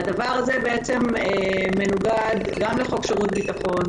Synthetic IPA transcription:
adavaʁazebeet͡se̞meːe̞nuɡad̪ɡamleχokʃeʁut̪bit̪aχo̞n

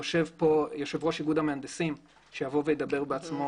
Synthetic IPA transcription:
oʃevpojo̞ʃevʁo̞ʃiɡud̪ameand̪esim | ʃejavo̞vejed̪abe̞ʁbeat͡smo

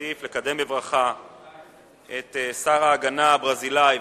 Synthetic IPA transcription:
iflekad̪e̞mbevʁaχa | et̪saʁaːɡanabʁazilaj

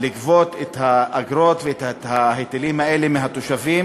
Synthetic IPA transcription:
likvo̞t̪et̪haːɡɾo̞t̪veet̪athahet̪elimhae̞lemeɦat̪oʃavim

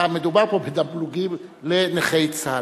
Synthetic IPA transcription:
amed̪ubaʁkopʰed̪abluɡileneχejt͡sa

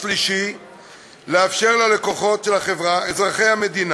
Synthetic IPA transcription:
liʃi | leafʃe̞ʁlale̞ko̞χo̞tʃelaχe̞vʁaezʁaχe̞jhame̞d̪in

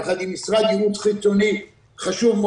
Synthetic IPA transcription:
χad̪imisʁad̪iut̪χit͡soni | χaʃuvm

